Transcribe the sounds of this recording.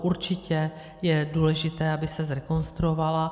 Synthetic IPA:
ʔuɾt͡ʃɪcɛ | jɛduːlɛʒɪt̪ɛːabɪsɛzɾɛkonst̪ɾuovala

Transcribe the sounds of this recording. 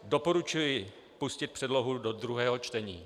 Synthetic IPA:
do̞po̞ɾut͡ʃujɪ | puscɪt̪̚pr̥ɛdlo̞ɦudo̞d̪ɾuɦɛːɦo̞t͡ʃt̪ɛɲḭː

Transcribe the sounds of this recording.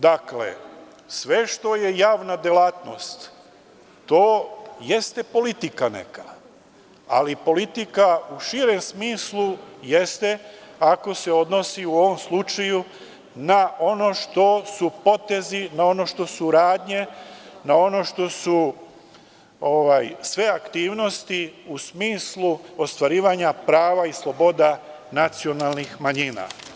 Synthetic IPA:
d̪aklḛ | sʋe̞ʃt̪o̞je̞jaːʋnad̪jelaːt̪no̰st̪ː | oːje̞st̪epo̞lit̪ikanḛka | a̰lipo̞lit̪ikauʃiɾe̞msmiːslˠujest̪e̞ako̞se̞o̞d̪no̞siuo̞ʋomslˠut͡ʃaju | nao̞no̞ʃt̪o̞supo̞t̪e̞zinao̞no̞ʃt̪o̞suɾaːd̪ɲe̞nao̞no̞ʃt̪o̞su | oʋajsʋe̞akt̪iːʋno̞st̪iusmiːslˠuo̞st̪ʋaɾiːʋaɲapɾaːʋaislˠo̞bo̞d̪a | nat̪sio̞nalˠnixmaɲina̰

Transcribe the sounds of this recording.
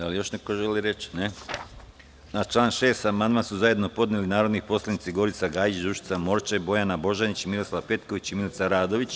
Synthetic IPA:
alijo̞ʃnekoʒeliɾet͡ʃne | nat͡ʃlˠaːnʃe̞ːst̪amand̪mansuzaje̞d̪no̞po̞d̪nelinaːɾo̞d̪nipo̞slˠanit̪siɡo̞ɾit̪saɡaːjit͡ʃd̪uʃi̥t̪samo̞ɾt͡ʃabo̞janabo̞ʒanit͡ɕimilˠoslˠaʋpe̞t̪ko̞ʋit͡ɕimilit̪saɾaːd̪o̞ʋit͡ɕ

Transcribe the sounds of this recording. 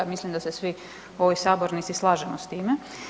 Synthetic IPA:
amislimd̪asesʋi | oʋojsaːboɾnit̪sislˠaːʒemost̪iːme

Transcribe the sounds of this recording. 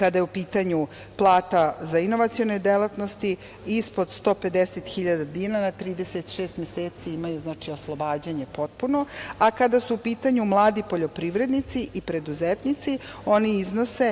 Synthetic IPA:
kad̪ajeupiːt̪aɲu | plˠaːt̪azaino̞ʋat̪sijonejd̪elat̪no̞st̪i | ispo̞d̪st̪o̞ːpe̞d̪eset̪xiʎad̪ad̪iːnanat̪ɾiːd̪e̞set̪ʃeːst̪mjeseːt̪siimajuznaːt͡ʃioslˠobaːd͡ʑaɲe̞po̞t̪̚puno̞akad̪asuːpiːt̪aɲumlˠaːd̪ipo̞ʎo̞pɾiʋɾe̞d̪nit̪siʔipɾe̞d̪uzet̪nit̪sio̞niizno̞se̞

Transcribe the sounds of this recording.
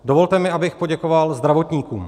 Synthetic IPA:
do̞vo̞lt̪ɛmɪʔabɪxpo̞ɟɛko̞valzd̪ɾavo̞t̪ɲiːkuːm

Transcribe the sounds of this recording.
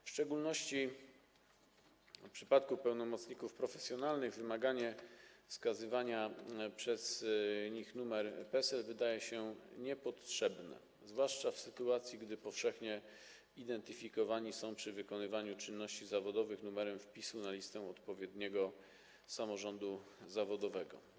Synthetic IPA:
fʂt͡ʂɛɡulnɔɕt͡ɕi | pʂɘ̥pat̪̚kupɛwnɔmɔt̪sɲikufpɾɔfɛsʲjɔnalnɘɣvɘmaɡaɲɛfskazɘvaɲapʂɛzɲixnumɛɾpɛsɛlvɘd̪ajɛɕɛɲɛpɔt̪ʂɛbnɛ̰ | zvwaʂt͡ʂafsɘt̪uat̪sʲjiɡd̪ɘpɔfʂɛxɲɛ | id̪ɛnt̪ɘfʲikɔvaɲisɔ̃w̃pʂɘvɘkɔnɘvaɲut͡ʂɘnːɔɕt͡ɕizavɔd̪ɔvɘxnumɛɾɛmfpʲisunalʲist̪ɛ̃ɔt̪pɔvʲjɛd̪ɲɛɡɔ | samɔʐɔnd̪uzavɔd̪ɔvɛɡɔ̰

